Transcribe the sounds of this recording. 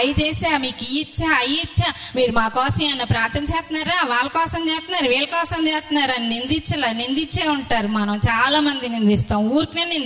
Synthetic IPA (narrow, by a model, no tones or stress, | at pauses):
ɐjt͡ʃeːsaːmiːkijit͡ʃːaːɐjit͡ʃːaːmiːɾumaːkɔːsɐ̃ɐnːɐpɾaːɾt̪ɐɲt͡ʃeːst̪naːɾaːʋaːlɐkɔːsɐmt͡ʃeːst̪naːɾʋeːlɐkɔːsɐmt͡ʃeːst̪naːɾɐninind̪it͡ʃːɐlanind̪it͡ʃːeːuɳʈːaːɾumɐnɐ̃w̃t͡ʃaːlaːmɐnd̪inind̪ist̪aːw̃uːɾkineːnin